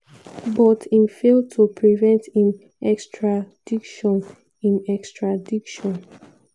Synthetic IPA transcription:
bɔtĩmfel̚tʰupʰɹivɛ̃nthĩm | ɛkstɹad̥ikʃɔ̃n | ĩmɛkstɹadikʃɔ̃n

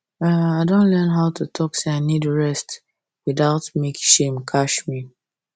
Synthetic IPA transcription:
aaɪdõnlɛnɦaʊtutʰɔkseaɪnidɹɛst | wiðaʊtmekʃẽmkʰaʃmi

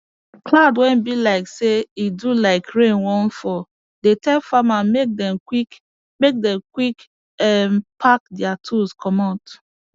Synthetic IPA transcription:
kladwɛ̃nbilaɪkseidulaɪkɹẽnwɔ̃n̩fɔ | detɛlfamamek̚dɛmkik | mek̚dɛ̃mkwik | ɛmpʰak̚diatʰuskʰɔmat

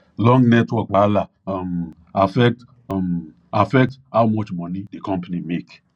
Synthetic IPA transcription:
lɔ̃ŋɡnɛtwɔk̚bala | m | afɛk̚t | m | afɛk̚thawmɔt͡ʃmɔnidekɔ̃mpanimek

